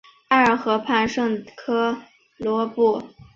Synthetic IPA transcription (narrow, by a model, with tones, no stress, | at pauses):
a˥ə˞˨˩xɤ˧˥pʰa˥˧nʂɤ˥˩ŋkʰɤ˥ | lwɔ˧˥pu˥˩